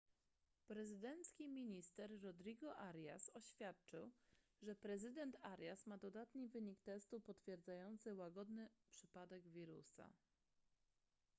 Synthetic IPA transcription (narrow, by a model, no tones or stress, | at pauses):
pɾɛzɘd̪ɛnt̪skʲimʲiɲist̪ɛɾːɔd̪ɾiɡɔʔaɾʲja̰sɔɕfʲjat̪̚t͡ʂɘw | ʐɛpɾɛzɘd̪ɛnt̪ʰaɾʲjasmad̪ɔd̪at̪ɲivɘɲikt̪ɛst̪upɔt̪fʲjɛɾd̪zajɔnt̪sɘwaɡɔd̪nɘpʂɘpad̪ɛɡvʲiɾṵsa̰